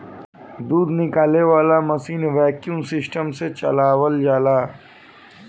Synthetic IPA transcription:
d̪uːd̪nɪkaːleʋaːlamɐsiːnʋɛːkjũŋsɪsʈəmset͡ʃɐ̰laːwəld͡ʒaːlaː

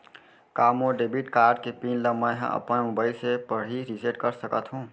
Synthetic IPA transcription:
kaːmoɖeːbiʈkaːɾɖ̚kepiːnlə̃mːɦã̰ʔɐ̰pnamʊbaːɪlsepəɽ̤iɾiseʈkəɾsəkət̪ɦũː

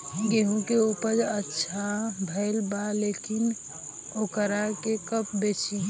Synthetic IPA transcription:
ɡeɦũkeupəɾətːʃʰabʱəɪlbalekin | okəɾakekəpbet͡ʃi

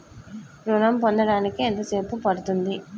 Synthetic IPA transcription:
ɾunɐmpond̪ɐɽaːnikient̪ɐse̞ːpupɐɽut̪und̪i

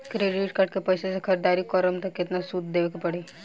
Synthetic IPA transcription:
kɾeːɖɪʈkɐʈkepɐjsesekʰɐɾd̪aːɾikɔːɾəmt̪ɐkːɪt̪nasud̪d̪eːʋekepɐɽeː

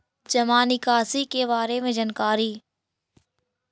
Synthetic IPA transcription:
d͡ʒɐmaːnikaːsikebaːɾemẽd͡ʒɐnkaːɾiː

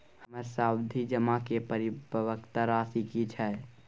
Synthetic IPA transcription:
həməɾsaːwd̪ʱid͡ʒəmakepəɾibəʋəkt̪aɾaːsikit͡ʃʰɛ

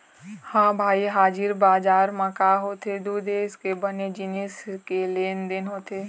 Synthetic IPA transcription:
hãːbʱaːiɦaːd͡ʒɪɾbaːd͡ʒaːɾmãkaːɦoːt̪ed̪uːd̪eːskebəned͡ʒɪniskeleːnd̪ɪnɦoːt̪eː

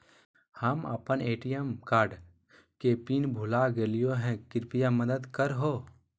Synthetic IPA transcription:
həmə̰pəneːʈijəmkaːɾɖ | kepiːnbʱʊlaɡeːlijoɦɛ̃kɪɾpijaməd̪əd̪kəɾɦoː

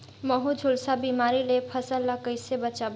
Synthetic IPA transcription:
məɦud͡ʒʱulsabimaɾilepʰəsəlːəkəɪsebət͡ʃab

